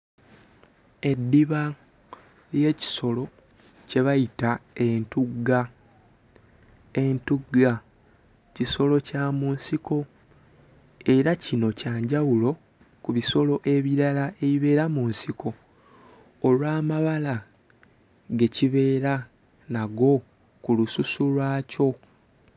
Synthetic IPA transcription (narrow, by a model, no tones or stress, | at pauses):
e̞dːiβa | lje̞ːci̥so̞lo̞ | ce̞βajitae̞ntuɡːa | e̞ntuɡːa | ciso̞lo̞caːmuːnsiko̞ | e̞ɾacino̞caːɲɟawulo̞ | kuβiso̞lo̞ʔe̞βiɾalae̞βiβe̞ːɾamuːnsikʰo̞ | lwaːmaβala | ɡe̞ciβe̞ːɾa | naɡo̞ | kulususulwaːco̞